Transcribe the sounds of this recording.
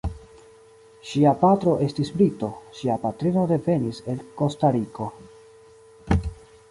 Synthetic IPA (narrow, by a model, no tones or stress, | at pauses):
ʃiapatɾo̞ʔe̞stisbɾito̞ʃiapatɾino̞de̞ve̞nise̞lko̞staɾiko̞